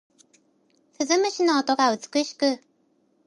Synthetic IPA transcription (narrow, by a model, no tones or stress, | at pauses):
ɸɨzɨmɯ̟ɕino̞ːt̪o̞ɡaɯ̟t͡sɨ̥kɯ̟ɕi̥kɯ̟